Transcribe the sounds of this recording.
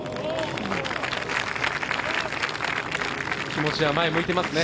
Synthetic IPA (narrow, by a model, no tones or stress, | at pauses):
kʲimo̞t͡ɕiamaemo̞it̪e̞masɨne